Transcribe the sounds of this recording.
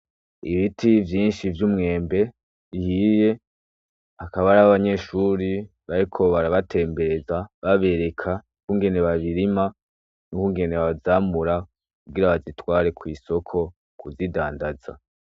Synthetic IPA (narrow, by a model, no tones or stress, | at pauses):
ḭβitʰivjiːnʃivjuːmŋe̞ːmbe̞ | ihije̞ | akaβaɾaβaβaɲe̞ʃuɾi | βaɾikʰo̞βaɾaβatʰe̞ːmbe̞ɾe̞zaβaβe̞ɾe̞kʰa | kuːŋɡe̞ne̞βaβiɾima | nukuːŋɡe̞ne̞βazaːmuɾa | kkuɡɡiɾaβazitwaːɾe̞kwiːso̞kʰo̞ | kuzidaːndaza̰